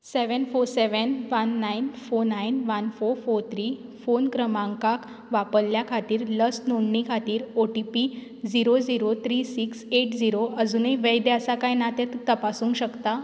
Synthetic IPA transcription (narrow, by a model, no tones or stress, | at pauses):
seʋənfoɾseʋənʋənːajnfoɾnainʋənfoɾfoɾt̪ʰɾifonkɾəmãŋkak | ʋapəlljakʰat̪iːɾləsnoɳɖɳikʰat̪iːɾoʈipi | d͡ziɾod͡ziɾot̪ʰɾisikseʈd͡ziɾoəd͡zuːniʋəjd̪eəsakajnat̪ẽt̪t̪əpasũːŋkɕəkt̪a